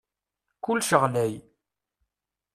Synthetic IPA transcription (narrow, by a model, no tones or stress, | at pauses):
kʊlːʃəʁlæj